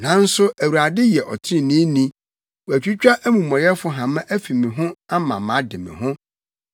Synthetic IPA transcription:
nã˨˦n̩˦sʊ˦æ˨wu˨a˨dɪ˦jɛ˨ʔɔ˨tʰɪ̃˦˨nĩ˦nĩ˦ | wæ˨t͡ɕᶣi˦t͡ɕᶣa˦ʔæ˦mũ˨mɔ̃˨jɛ˦fʊ˦ɦã˨mã˦ʔæ˦fi˨mĩ˨ɦʊ̃˦a˦mã˨mã˨˦dɪ˨mɪ̰̃˨ɦʊ̃˦

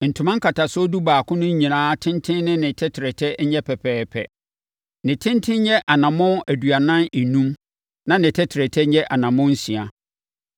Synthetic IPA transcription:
n̩˨tʰʊ̃˨mã˦ŋ˦kʰa˨tʰa˨sʊ˦du˦baː˨kʰʊ̃˦nʊ̃˦ɲ˦ɲĩ˨nãː˦tʰɪ̃˦ntʰɪ̃˦nnɪ̃˦nɪ̃˨tʰɛ˦tʰɪ˨ɾɛ˨tʰɛ˦ɲɛ˦pʰɛ˨pʰɛː˦pʰɛ̰˨ | nɪ̃˨tʰɪ̃˦ntʰɪ̃˦ɲ˦ɲɛ˦ʔa˨nã˨mʊ̃˦æ˨dɥa˨nã˦nɪ˨nũ˦m | nã˦nɪ̃˨tʰɛ˦tʰɪ˨ɾɛ˨tʰɛ˦ɲɛ˦ʔa˨nã˨mʊ̃˦n̩˦si˨a˨

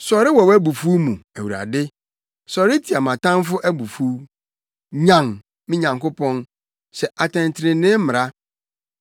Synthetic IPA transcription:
sɔ˨ɾɪ˦wɔ˨wæ˦bu˨fu˦mũ˨æ˨wu˨ɾa̰˨dɪ˦ | sɔ˨ɾɪ˦tʰi˨a˨mã˨tã˦m˦fʊ˦ʔæ˦bu˨fu˦ | ɲã˨ŋ | mɪ̃˦ɲã˨ŋkʊ˦pʰɔ̃˦n | sɛ˨ʔa˨tʰɛ̃˨ntʰɪ˨ɾɪ̃˨nɪ̃˦m˦mɪ̃˨ɾa˦

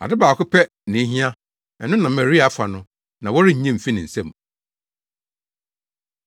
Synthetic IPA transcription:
a̰˨dɪ˦baː˨kʊ˦pʰɛ˦ | nɪ̃˨˦ɦĩ˦ã˦ | ɛ˨nʊ̃˦nã˨m̩˨mɛ˨ɾi˦a˨˦fa˨nʊ̃˦ | nã˨wɔ˦ɾɪ˦ɲ̩˨ɲɛ̃˦m̩˨fi˦nɪ̃˨n̩˨sɛ̰̃˦˨m

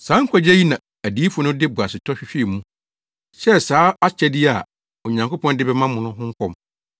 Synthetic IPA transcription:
saː˨˦ŋ̩˦kʰʷa˦d͡ʑɛ˦ji˦nã˨ | æ˨di˨˦fʊ˨nʊ̃˦dɪ˦bʊ˨a˨sɪ˨tʰɔ˦ɕᶣɪ˦ɕᶣi˦˨mũ˦ | ɕɛ˦saː˨˦a˦t͡ɕʰɛ˦dɪ˦a˨ | o˨ɲã˨ŋko˦pʰɔ̃˦n˦dɪ˦bɛ˦mã˦mʊ̃˨nʊ̃˦ɦʊ̃˦ŋ̩˦kʷʰɔ̃˦m

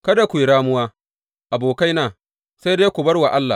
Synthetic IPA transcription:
kɐ˦da˨kʷu˨jɽaː˦mʊ˦waː˦ | ʔa˨boː˨ka˦jnaː˨ | sa˦jde˦kʷu˨bɐ˦rwa˨ʔa˦lːa̰˨

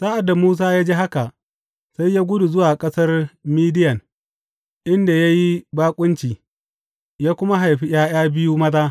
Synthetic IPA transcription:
saː˦ʔa˨dːa˨muː˦s̬aː˦jaː˦d͡ʒeː˦ɦa˦ka˨ʔ | sa˦jjaː˦ɡʷʊ˦du˨zʊ˦waː˨kʼɐ˦sɐ˦rmiː˦dɪ˦jɐ˨n | ʔɪ˦nda˨ja˦ji˦baː˦kʷʼʊ˦nt͡ʃiː˨ | jaː˦kʷʊ˦ma˦ɦa˨jɸi˦j̰aː˦j̰aː˦bɪ˦ju˦mɐ˦zaː˦

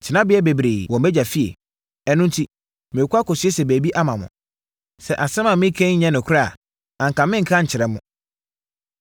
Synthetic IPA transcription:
t͡ɕʰɪ˨nã˦bɪ˦ɛ˦be˨bɾeː˨wɔ̃˨mbɛ˦d͡ʑa˨fi˦ḛ˨ | ɛ˨nʊ̃˦n̩˦tʰi˦ | mɪ̃˨kʰʷʊ˦a˦kɔ˨sɪ˦e˦sɛ˨bæː˨bi˦ʔa˦mã˨mʊ̰̃˨ | sɛ˨ʔa˨sɛ̃˦mã˨mɪ̃˦kʰɛ̃˦ɲɛ̃˦nʊ̃˨kʰʊ˦ɾa˦˨ | ã˨ŋ̩˨kʰã˨mɪ̃˦ŋ̩˨kʰã˦ɲ̩˨t͡ɕʰɪ˨ɾɛ̃˦mːʊ̰̃˦

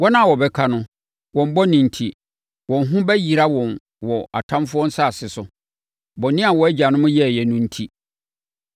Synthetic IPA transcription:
wɔ˦nã˦˨wɔ˨bɛ˦kʰa˦nʊ̃˦ | wɔ̃˨m̩˦bɔ˦nĩ˨n̩˨tʰi˨ | wɔ̃˨n˦ɦʊ̃˦bɛ˦ji˨ɾa˦wɔ̃˨n | wɔ˨a̰˨tʰã˦mfʊ˦ɔ̃˦n̩˦sa˦˨sɪ˨sʊ˨ | bɔ˨˦nɪ̃˦a˨wɔ˨ɛ˦d͡ʑa˨nʊ̃˦mʊ̃˦jɛ˦˨jɛ˨nʊ̃˦n̩˦tʰi˦

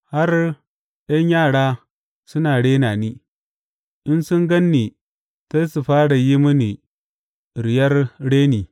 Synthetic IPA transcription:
ha˦r | jɐ˦ɲjaː˦˨ɽaː˦ | sʊ˦naː˨ɽeː˦naː˨niː˦ | ʔɪ˦nsʊ˦ŋɡɐ˦nːiː˨ | ta˦su˨ɸaː˦ɽa˨ji˦mʊ˦ni˨ | ɾɪ˨jɐ˦rɽeː˦niː˨

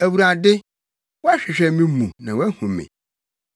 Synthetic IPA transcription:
æ˨wu˨ɾa˨dɪ˦ | wɔ˦a˦ɕᶣɪ˨ɕᶣɛ˦mĩ˦mũ˨nã˨wæ˦hũ˨mɪ̰̃˨

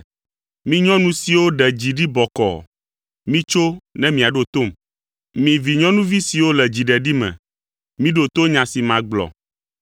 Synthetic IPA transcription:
mĩ˦ɲɔ̃˦nũ˦si˨wo˦ɖɛ˨d͡ʑi˨ɖi˦bɔ˨kɔ̰˨ | mĩ˦t͡ʃo˦nɛ̃˦mĩ˨a˨ɖo˨t̪o˦˨m | mĩ˨vi˨ɲɔ̃˦nũ˦vi˦si˨wo˦lɛ˨d͡ʑi˨ɖɛ˨ɖi˦mɛ̰̃˨ | mĩ˦ɖo˨t̪o˦ɲã˨si˨mã˨ɡ͡blɔ̰˨

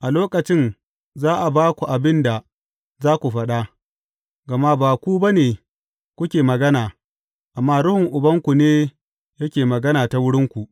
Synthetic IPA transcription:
ʔa˨loː˦kɐ˨t͡ʃɪ˦n | zaː˦ʔa˨baː˦kʷu˨ʔa˨bɪ˦nda˨ | zaː˦kʷu˨ɸɐ˦ɗa˦ | ɡɐ˨ma˦baː˨kʷu˦ba˦neː˨ | kʷʊ˦kʲeː˨mɐ˨ɡɐ˦naː˨ | ʔa˨mːaː˦ɽʊ˦hʊ˨ŋʔʊ˨bɐ˦ŋkʷu˨neː˦ | jɐ˦kʲeː˨mɐ˨ɡɐ˦naː˨ta˨wʊ˦ɽɪ˦ŋkʷu˨ʔ

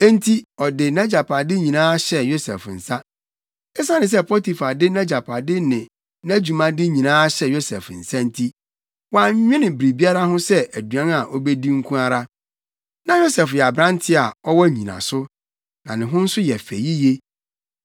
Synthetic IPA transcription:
ɛ˦n̩˦tʰi˦ɔ˨dɪ˨nɛ̃˦d͡ʑa˨pʰa˨dɪ˦ɲĩ˨nãː˦ɕɛ˨jo˦sɛ̰˨fn̩˨sa˦ | ɛ˦sa˦nɪ̃˨s̬ɛ˦pʰɔ˦ti˨fa˨dɪ˦nɛ̃˦d͡ʑa˨pʰa˨dɪ˦nɪ̃˨ | næ˦d͡ʑu˨mã˨dɪ˦ɲĩ˨nãː˦ɕɛ˨jo˦sɛ̰˨fn̩˨sã˦n̩˦tʰi˦ | wa˦ɲᶣɪ̃˦nɪ̃˨bɾi˨bi˦a˦ɾa˦hʊ̃˦sɛ˦ʔæ˨du˨ã˦na˨ʔɔ˦bɛ˦di˦ŋ̩˦kʰũ˦a˦ɾa˦ | nã˨jo˦sɛ˨fjɛ˨a˨bɾã˦n˦tʰɪ˦a˨ɔ˦wɔ˦ɲĩ˨nã̰˨sʊ˦ | nã˨nɪ̃˨ɦʊ̃˦n̩˦sʊ˦jɛ˨fæ̰˨ji˦je˦

